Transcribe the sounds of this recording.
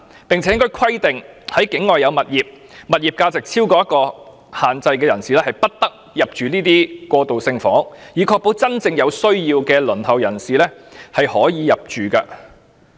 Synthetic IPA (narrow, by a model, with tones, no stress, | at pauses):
pɪ˨ŋt͡sʰɛ˨˦ɪ˥ŋkɔ˥jkʰɐ˥jt̪ɪ˨ŋhɐ˨˥jkɪ˨˥ŋːɔː˨jɐ˨˧wmɐ˨t̚jiː˨p̚ | mɐ˨t̚jiː˨p̚kaː˧t͡sɪ˨k̚t͡sʰiː˥wkɔː˧jɐ˥t̚kɔː˧ | haː˨˩nt͡sɐ˧jkɛː˧jɐ˨˩nsiː˨lɛː˥hɐ˨˩jpɐ˥t̚t̪ɐ˥k̚ | jɐ˨p̚t͡ʃyː˨niː˥t̪iː˥kɔː˧t̪o˨wsɪ˧ŋfɔː˨˥ŋjiː˨˥kʰɔː˧k̚po˨˥wt͡sɐ˥nt͡sɪ˧ŋjɐ˨˧wsɵ˥ɥjiː˧wkɛː˧lɵ˨˩nhɐ˨wjɐ˨˩nsiː˨lɛː˥hɐ˨jhɔː˨˥jiː˨˧jɐ˨p̚t͡ʃyː˨˩kɐ̰ː˧